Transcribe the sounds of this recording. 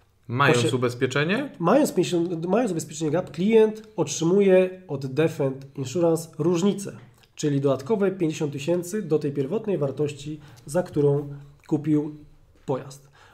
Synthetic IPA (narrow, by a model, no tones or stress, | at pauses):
majɔnsubɛspʲjɛt͡ʂɛɲɛmajɔnspʲɲɔmajɔnubɛspʲjɛt͡ʂɛɲɛɡapklʲijɛnt̪ɔtʂɘmujɛɔd̪ːɛfɛnt̪inʂuɾãnsɾuʐɲit̪sɛ̰ | t͡ʂɘlʲid̪ɔd̪at̪kɔvɛpʲjeɲd͡ʑeɕɔnt̪ːɨɕɛnt̪sɘd̪ɔt̪ɛjpʲjɛɾvɔt̪nɛjvaɾt̪ɔɕt͡ɕizakt̪uɾɔ̃w̃kupʲiw | pɔja̰st̪